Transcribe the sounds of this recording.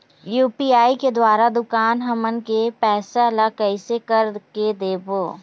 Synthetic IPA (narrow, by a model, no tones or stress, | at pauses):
juːpiːaːiked̪waːɾad̪ʊkaːnɦɐmənkepɛːsalakɐɪsekəɾked̪eːboː